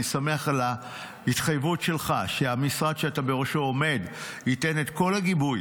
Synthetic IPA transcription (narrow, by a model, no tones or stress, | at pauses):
same̞aχala | it̪χajvutʃe̞lχaʃeamisʁad̪ʃeatabe̞ʁoʃo̞ome̞d | hite̞ne̞t̪ko̞lhaɡibuj